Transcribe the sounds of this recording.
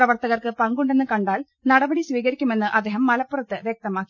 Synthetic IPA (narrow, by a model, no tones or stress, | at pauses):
rɐʋɐrt̪ɐɣɐrkɨpɐŋɡuɳɖe̞nːɨkɐɳɖaːl | nɐɽɐbɐɽisʋiːɣɐɾikʲːume̞nːɨʔɐd̪ːeːɦɐmːɐlɐpːurɐt̪ːɨʋjek̚t̪ɐmaːkːi